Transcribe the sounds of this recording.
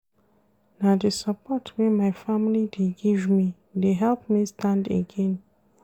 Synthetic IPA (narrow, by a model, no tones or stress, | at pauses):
nadəsapɔtwɛmajfamilideɡivmi | deɦɛlpmistãndḛɡẽn